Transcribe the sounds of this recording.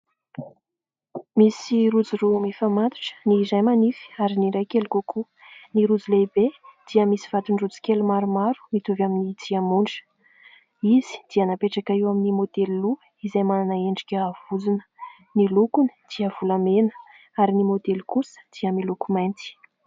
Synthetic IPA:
misiɾud͡zuɾumefamat̪u̥ʈ͡ʂə̥nizajmanifi̥aɾiniɾajkelkokʰu | niɾud͡zuleibed̪̥iəmisiv̥at̪unrud͡zi̥kelumaɾumaɾu̥mit̪uvaminid̪iamuɳɖ͡ʐə̥ | izi̥d̪̥iənapeʈ͡ʂakaiwaminimod̪elilu | izajmananəeɳɖ͡ʐikʲəːv̥ud͡zunə̥ | nilukunə̥d̪̥iəv̥ulamenə | aɾinimod̪elkusə̥d̪̥iəmilukumajnt̪i̥

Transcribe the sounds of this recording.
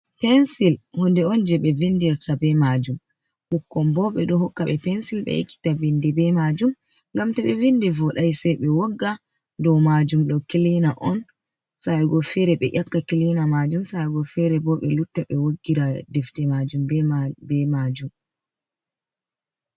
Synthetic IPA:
pɛnsilhɔndɛɔnd͡ʒɛɓɛvindiɾtʰabɛmad͡ʒum | ɓukːɔmbɔɓɛɗɔhɔkːaɓɛpɛnsilɓɛ̰ḭkːi̥tavindɛbɛmad͡ʒum | ŋɡamtaɓɛvindɛvɔɗajsɛɓɛwɔɡːa | dɔmad͡ʒumɗɔkilinaʔɔn | sajɡɔfɛɾɛɓɛ̰ʔakːakilinamad͡ʒumsajɡɔfɛɾɛbɔɓɛlutːaɓɛwoɡːiɾadɛftɛmad͡ʒumbɛbɛmad͡ʒum

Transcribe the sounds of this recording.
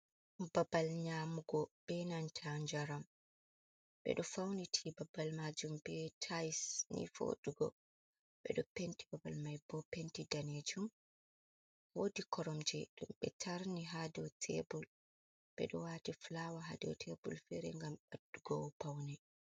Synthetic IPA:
babalɲamuɡɔbɛnantʰaɲd͡ʒaɾam | bɛ̰ɗɔfawnitʰibabːalmad͡ʒumbɛtʰajsnḭfo̰ɗuɡɔ̰ | ɓɛ̰ɗɔpentibabalmajbɔpentidaned͡ʒum | wodikɔɾɔmd͡ʒɛɗumɓɛ̰tʰaɾniɦadɛwtʰḛbul | ɓ̥ɛ̰ɗɔwatiflawaɦa̰dɛ̰wtʰebṵlfɛ̰ɾɛ̰ŋɡamɓadːuɡɔwpawnɛ

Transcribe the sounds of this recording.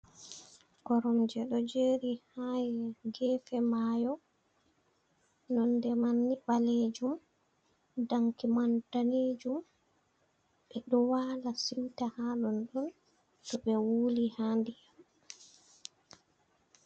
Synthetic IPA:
kɔɾɔmd͡ʒɛɗɔd͡ʒeːɾihajɛɡɛːfɛmajɔ | nɔndɛmanːibaled͡ʒum | daŋkimantaned͡ʒum | ɓɛɗɔwaːlasiwtahaɗɔnɗɔn | tɔɓɛwulihandijam

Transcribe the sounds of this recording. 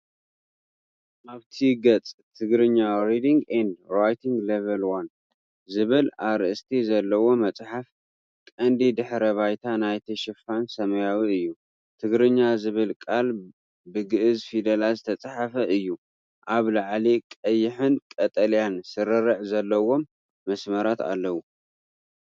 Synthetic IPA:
ʔaβt̪ʰiɡɐt͡sʼt̪ʰɨɡɾɨɲːaɾid̪iŋɡɛnd̪ɾajt̪ʰiŋɡlevɐlwan | zɨβɨlaɾʔɨst̪ʰizɐlːɐwo̞mɐt͡sʼħaf | kʼɐnd̪id̪ɨħɾɐβajt̪ʰanajt̪ʰiʃɪfansɐmɐjawiɨjːu | t̪ʰɨɡɾɨɲːazɨβɨlkʼal | bɨɡɨʔɨzfid̪ɐlazɨt̪ʰɐt͡sʼħafɐʔɨjːu | ʔaβlaʕlikʼɐjːɪħɨnkʼɐt̪ʼɐljansɨɾɨɾɨʕzɐlːɐwo̞mː | ɐsmɐɾat̪a̰lːɐwu

